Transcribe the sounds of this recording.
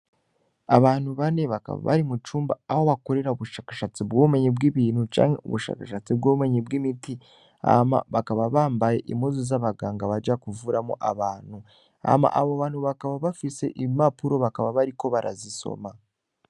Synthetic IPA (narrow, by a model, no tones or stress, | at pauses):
aβaːnhuβane̞βaka̰βa̰βa̰ɾimut͡ʃuːmba̰aho̞βako̞ɾe̞ɾauβuʃaːkḁʃat͡sibɡoːβume̞ɲibɡiːβiːnhut͡ʃa̰ːŋhe̞̰ṵβuʃa̰ːkaʃat͡sibɡoːβume̞ɲibɡimiti | a̰ma̰βakaβaβaːmbaje̞̰ʔimozuzaβaɡaːŋɡaβaɟakuvuːɾamoʔaβaːn̥hu | a̰ma̰ʔaβoβaːnhuβakaβaβafise̞̰ʔimapuɾo̞βakaβaβaɾiko̞βaɾʔa̰ziso̞̰ma